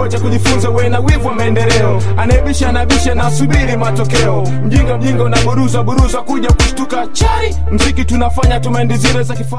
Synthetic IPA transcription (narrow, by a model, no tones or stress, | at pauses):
ɛt͡ʃakuʄifunzawɛnawivuwamaɛndɛlɛɔ | anaiɓiʃaanaiɓiʃanaːsuɓiɾimatɔkɛɔ | m̩ʄiŋɡam̩ʄiŋɡaunaɓuɾuzaɓuɾuzakuʄakuʃtukat͡ʃai | m̩zikitunafaɲatɔmaɛndiziɾɛzakifa